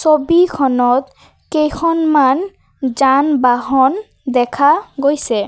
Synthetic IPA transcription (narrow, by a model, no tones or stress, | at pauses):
sobikʰɔnɔt̪ | kejkʰɔnman | d͡ʑanbaɦɔn | d̪ɛkʰaɡojse